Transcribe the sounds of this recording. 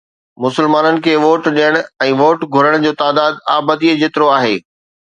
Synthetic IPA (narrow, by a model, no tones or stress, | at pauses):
mʊsɪlmaːnənɪ̆kʰeːʋoːʈɗijəɽ̃ɛ̃ːʋoːʈɡʱʊɾəɽ̃d͡ʑoːt̪aːd̪aːd̪a̰ːbəd̪iːəd͡ʑet̪ɪɾoaːɦeː